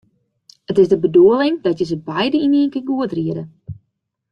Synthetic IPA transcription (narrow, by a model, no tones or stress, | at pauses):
ətɪzdəbəduəlˠɪŋdɔtjəzəbɛjdəiniəŋkənɡuətriədə